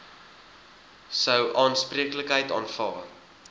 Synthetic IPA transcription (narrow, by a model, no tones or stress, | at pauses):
səwʔɑːnspriəkləkɦəjtɑ̰ːnfɑː